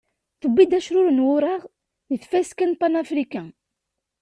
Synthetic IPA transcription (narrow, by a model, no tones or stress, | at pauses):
θəbːid̪æʃɾʊɾnwʊɾˤɑʁ | jəθfæskænpanafɾikæ̃